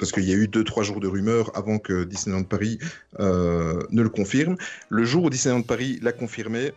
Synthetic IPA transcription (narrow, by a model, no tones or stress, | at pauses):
paʁsə̥kəiljayd̪øt̪χwaʒuːʁd̪əʁymœːʁa̰vɑ̃kəd̪isnenɔ̃ʁd̪əpaʁi | ønələkɔ̃fiʁmləʒuːʁud̪isɛɔ̃d̪əpaʁilakɔ̃fiʁme